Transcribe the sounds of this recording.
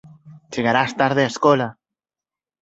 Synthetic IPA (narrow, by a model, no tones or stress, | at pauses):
t͡ʃeɣaɾast̪aɾðeaeskola